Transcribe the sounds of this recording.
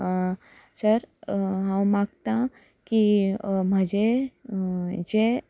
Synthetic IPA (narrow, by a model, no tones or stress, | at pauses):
səɾɦãwmãɡt̪ã | kim̤əd͡ʒe | d͡ʒe